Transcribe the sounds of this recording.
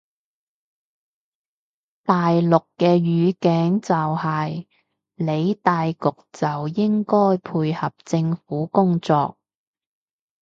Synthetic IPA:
t̪aː˨jlʊ˨kːɛː˧ɥyː˨˧kɛː˨˥ŋt͡sɐ˨whɐ˨˩j | le˨˧jt̪aː˨jkʊ˨k̚t͡sɐ˨wjɪ˥ŋkɔː˥jpʰuː˧jhɐ˨p̚t͡sɪ˧ŋfuː˨˥kʊ˥ŋt͡sɔ̰ː˧k̚

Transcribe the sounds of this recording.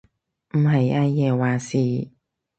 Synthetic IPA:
m̩˨˩ɦɐ˨jʔaː˧˥jɛː˨˧waː˨˩siː˨

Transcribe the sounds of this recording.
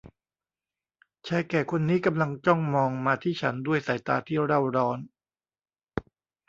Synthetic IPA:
t͡ɕʰa˧jkɛː˨˩kʰo˧nːiː˦˥ka˧mla˧ŋt͡ɕɔ˥˩ŋmɔː˧ŋmaː˧t̪ʰiː˥˩t͡ɕʰa˦˥ndu˥˩əjsaː˩˦jt̪a̰ː˧t̪ʰiː˥˩ɾa˥˩wɾɔː˦˥n

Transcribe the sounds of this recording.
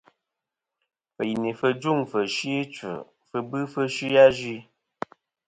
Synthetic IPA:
fə˨ji˨ni˨fə˧d͡ʒu˦˨ŋfə˨ʃi˦t͡sə̰˨ | fə˧bɨ˦fə˦ʃi˦ja˦d͡ʒi˦

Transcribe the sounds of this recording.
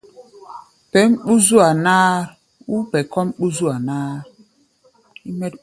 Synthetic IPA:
pɛ˨˦mɓu˦zu˦a˨naː˦ɾ | u˦pɛ˨kɔ˦mɓu˦zu˦a˨naː˦ɾ | i˦mɛ˦t

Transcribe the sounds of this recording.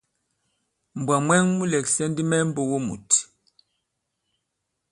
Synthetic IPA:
m˨bwa˨mwɛ˦ŋmu˦lɛ˨ksɛ˦ndi˦mɛ˦m̩˦bo˨wo˦mṵ˨t

